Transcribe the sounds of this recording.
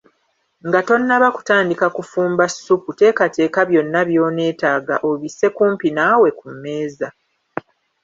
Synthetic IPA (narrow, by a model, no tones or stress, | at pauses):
ŋɡato̞nːaβaku̥taːndikakufuːmbasːupute̞ːkate̞ːkaβjo̞nːaβjo̞ːne̞ːtaːɡaʔoβise̞kuːmpinawe̞kumːe̞ːza